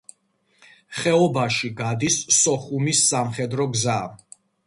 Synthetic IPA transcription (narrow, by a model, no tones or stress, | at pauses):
χɛɔbaʃiɡad̪isːɔχumisːamχɛd̪ɾɔɡzaːm